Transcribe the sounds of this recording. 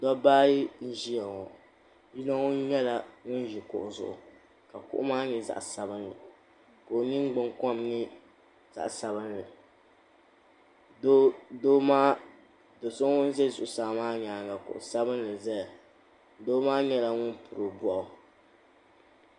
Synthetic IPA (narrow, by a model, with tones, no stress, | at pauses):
dɔ˦baː˦ji˦n̩˦ʒi˦ja˨ŋɔ˨ | ji˦nɔ˦ŋʊ˦n˦ɲɛ˦la˨ŋʊ˦n˦ʒi˨kʊ̰˨ʔʊ˨zʊ̰˨ʔʊ̰˨ | ka˨kʊ̰˦ʔmaː˦ɲɛ˨za̰˨ʔsa˨bɨ˦nːɨ˨ | ko˨nɨ˦ŋ˦ɡ͡bɨ˦ŋkɔ˦mnɨ˦ | za̰˨ʔsa˨bɨ˦nːɨ˨ | do˦do˦maː˦ | do˨sɨ˦ŋʊ˦n˦zɛ˦˨zʊ˨ʔʊ˨saː˨maː˦ɲaː˨ŋ˨ɡa˨kʊ̰˨ʔʊ̰˨sa˦bɨ˦nlɨ˨zɛ˦a˨ | doː˦maː˦ɲɛ˦la˨ŋʊ˦npʰʊ˨ɾɨ˨bɔ˨ʔʊ˨